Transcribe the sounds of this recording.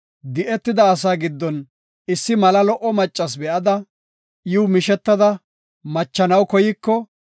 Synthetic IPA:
d̪ɪʔɛt̪ːɪd̪ɐːs̬aːɡɪd̪ːɔn | ɪsːɪmɐlɐlɔʔɔmɐt͡ʃʼːɐs̬bɛʔɐd̪ɐ | jɪwmɪʃɛt̪ːɐd̪ɐ | mɐt͡ʃːɐnɐwkɔjɪkːɔ

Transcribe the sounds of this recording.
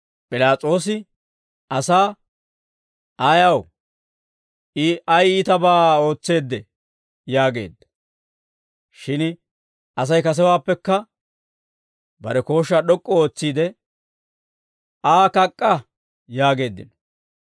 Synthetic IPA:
pʼɪlaːt͡sʼo̞ːs̬ɪ | ɐsaː | ʔɐjɐw | ɪɐjɪt̪ɐbaːo̞ːt͡sːe̞ːd̪ːɛ | jaːɡe̞̰ːd̪ːɐ̥ | ʃɪn | ʔɐs̬ɐjkɐs̬ɛwaːpːɛkːɐ | bɐɾɛko̞ːʃːaɗɔkʼːɔo̞ːt͡sːiːd̪ɛ | aːkɐkʼːɐ | jaːɡe̞ːd̪ːɪ̰nɔ̥

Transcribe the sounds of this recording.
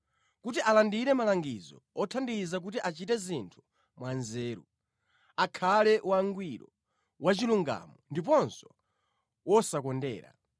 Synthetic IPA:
kut̬iʔalandiɾɛmalaŋɡizɔ̰ɔtʰandizak̬utiʔat͡ʃitɛzintʰu̥ | mwanzɛːɾṵ | akʰalɛwaŋɡwiɾɔ | wat͡ʃiluŋɡa̰mɔndipɔnsɔ̥ | wɔsakɔndɛ̰ːɾa̰

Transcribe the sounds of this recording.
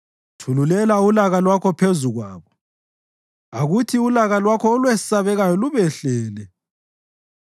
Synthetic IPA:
tʰululɛlaulaɣalwakʰɔpʰezuɣwa̰ːβɔ | aɣutʰiulaɣalwakʰɔːlwɛsaβɛɣajɔluβɛɬɛːlɛ

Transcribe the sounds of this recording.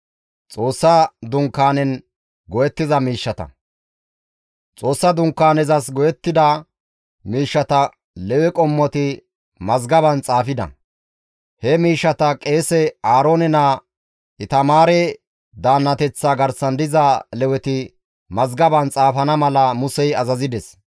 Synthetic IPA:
t͡sʼo̞ːsːɐd̪ʊŋkːaːnɛn | ɡɔjɛt̪ːɪzɐmiːʃːɐt̪ɐ̰ | t͡sʼo̞ːsːɐd̪ʊŋkːaːnɛzɐsɡɔjɛt̪ːɪd̪ɐ | miːʃːɐt̪ɐ | lɛwɛkʼɔmːɔt̪ɪ | mɐzɡɐbɐnt͡sʼaːfɪd̪ɐ̰ | hɛmiːʃːɐt̪ɐkʼe̞ːsɛaːɾoːnɛna | ʔɪt̪ɐmaːɾɛ | d̪aːnːɐt̪ɛt͡sːaːɡɐɾsɐnd̪ɪzalɛwɛt̪ɪ | mɐzɡɐbɐnt͡sʼaːfɐnɐmɐlɐmʊsɛjɐzɐzɪd̪ɛs

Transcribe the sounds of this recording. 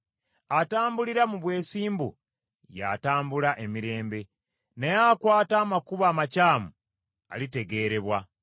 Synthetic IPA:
ataːmbuliɾamuβwe̞ːsiːmbṵ | ja̰taːmbulaʔe̞miɾe̞ːmbe̞ | nejakwaːtaːmakuβaːmacaːmu | a̰lite̞ɡe̞ːɾe̞βwa

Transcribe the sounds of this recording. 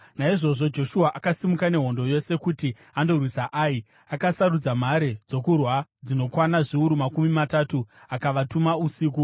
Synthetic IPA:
naiʐo̞ʐo̞d͡ʒo̞ʃuaʔakasimukane̞ɦo̞ndo̞je̞se̞kuti | ando̞rwisaʔaːi | akasaɾud͡zam̤aɾed͡zo̞kurwad͡zino̞kwanaʐiuɾumakumimatatuakaʋatumausiːk̬u

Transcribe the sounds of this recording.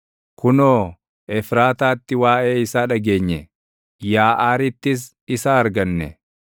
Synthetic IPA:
kʊnoː | ɛfɾaːt̪aːt̪ːɪwaːʔe̞ːɪsaːᶑɐɡe̞ːɲːɛ | jaːʔaːɾɪt̪ːɪs̬ | ɪsaːɐɾɡɐnːɛ̰

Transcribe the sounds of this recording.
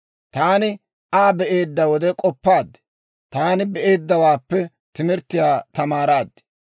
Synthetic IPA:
t̪aːnɪ | ʔaːbɛʔe̞ːd̪ːɐwɔd̪ɛkʼɔpːaːd̪ːɛ̥ | t̪aːnɪbɛʔe̞ːd̪ːɐwaːpːɛ | t̪ɪmɪɾt̪ːɪjaːt̪ɐmaːɾaːd̪ɛ̥

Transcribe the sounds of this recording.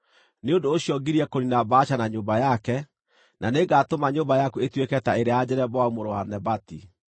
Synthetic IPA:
neondoːɕiɔɡiɾiɛkoninabaːɕanaɲoːmbajakɛ | naneɡaːtomaɲoːmbajakuetwekɛtaeɾead͡ʑɛɾɛbɔaumoɾowanɛbati

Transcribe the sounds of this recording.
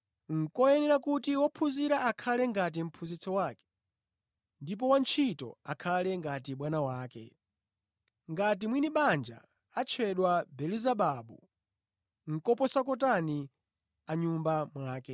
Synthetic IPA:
ŋ̩kɔjɛnɛɾakutiwɔpʰuziɾaːkʰalɛŋɡat̬im̩pʰuzit͡sʰɔwaːkɛ̥ | ndip̬ɔwant͡ʃʰitɔ̰akʰalɛŋɡatiɓwanawaːkɛ̰ | ŋɡat̬imwiniɓand͡ʒa̰ | at͡ʃʰɛɗwabɛlizaɓaɓu | ŋ̩kɔpɔsak̬ɔt̬ani | aɲumbamwaːkɛ

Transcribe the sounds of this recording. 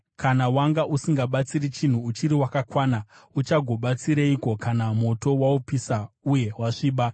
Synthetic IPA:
kanawaŋɡaʔusiŋɡaɓat͡siɾit͡ʃin̤uːt͡ʃiɾiwakakwaːna | ut͡ʃaɡʱo̞ɓat͡siɾeiko̞kanamo̞to̞waupisa | uje̞ɦwaʂiːɓa

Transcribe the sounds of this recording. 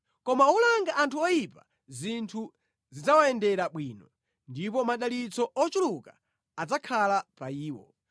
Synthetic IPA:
kɔmaulaŋɡaʔantʰuɔjipa | zintʰu | zid͡zawaɛndɛɾaɓwiːnɔ | ndipɔmaɗalit͡sɔɔt͡ʃuluka̰ | ad͡zakʰalapaiːwɔ̰

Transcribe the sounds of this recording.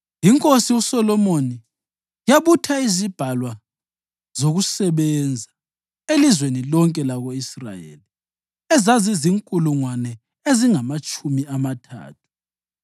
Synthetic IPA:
jiŋkʼosiusɔlɔmoni | jaβutʰaizib̥ʱalwa | z̥oɣusɛβɛnd͡zʱa | elizwenilɔŋkʼɛlaɣoisra̰jḛːli | ɛzaziziŋkʼuluŋwanɛ | eziŋamat͡ʃʼumiamatʰa̰ːtʰu̥

